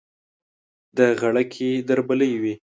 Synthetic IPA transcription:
d̪əɣaɽakʰed̪aɾbaləjwi

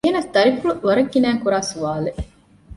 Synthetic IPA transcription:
jɐnɐst̪ɐɾifuluʋɐɾɐkːinæːŋkuɾaːsuʋaːle

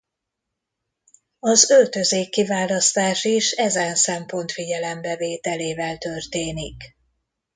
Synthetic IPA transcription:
ɒzølt̪ø̞zeːkːivaːlɒst̪aːʃiʃɛzɛnsɛmpo̞nt̪fiɟɛlɛmbɛveːt̪ɛleːvɛlt̪ø̞rt̪eːnik

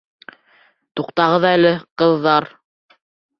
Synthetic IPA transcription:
t̪uqt̪ɑʁɤ̆ðɑælɘqɤ̆ðːɑɾ

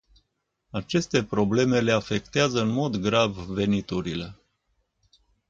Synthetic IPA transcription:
at͡ʃe̞st̪e̞pɾo̞ble̞me̞le̞afe̞kt̪eazəɨnmo̞d̪ɡɾavve̞nit̪uɾile̞

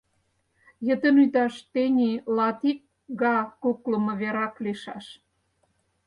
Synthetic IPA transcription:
jə̆t̪ənyt̪ɑʃt̪enʲilɑt̪ik̚ | ɡɑkokləmɤ̆βeɾɑkleʃɑʃ

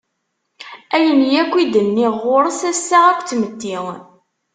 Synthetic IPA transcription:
æjənjækʷːid̪ənːiʁoɾˤəsæsːæʁækʷːt͡sːməd̪ːiŋ

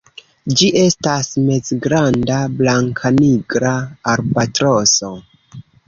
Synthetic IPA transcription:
d͡ʒiʔe̞stasme̞zɡɾandablaŋkʰaniɡɾaːɾbatɾo̞so̞

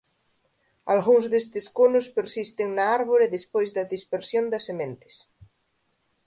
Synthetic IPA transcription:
alɣuŋzðest̪eskonʊspeɾsist̪eŋnaaɾβoɾeðespojzðɐðispeɾsjõnd̪ɐsemẽnt̪ɪ̥s

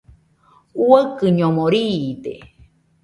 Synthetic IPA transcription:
uəkɨɲõmõɾid̪ḛ

